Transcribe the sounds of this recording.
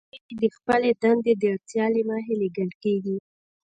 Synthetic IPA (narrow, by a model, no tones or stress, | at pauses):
ed̪əxpəled̪and̪ed̪əɾt͡sjɑlemɑɦeleɡaɳɖkeɡi